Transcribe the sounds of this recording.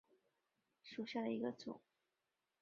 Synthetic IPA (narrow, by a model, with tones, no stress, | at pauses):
ʂu˨˩ɕja˥˩d̪ə˩i˧˥ɡə˧t͡sʊ̰˨˩˦ŋ